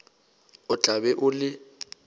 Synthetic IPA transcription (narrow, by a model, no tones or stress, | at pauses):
ʊt͡ɬabɛʔʊlɪ